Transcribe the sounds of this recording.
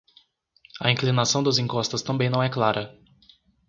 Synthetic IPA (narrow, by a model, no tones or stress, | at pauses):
ɐĩklinasɐ̃w̃d̪ɐzĩŋkɔst̪ɐst̪ɐ̃mbẽj̃nɐ̃w̃ɛklaɾɐ